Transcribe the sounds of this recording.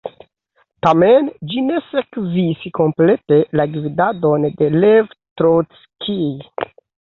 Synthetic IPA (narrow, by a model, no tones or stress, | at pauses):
tamend͡ʒine̞sekzisko̞mple̞te̞laɡvidadonde̞levtɾos | kʰi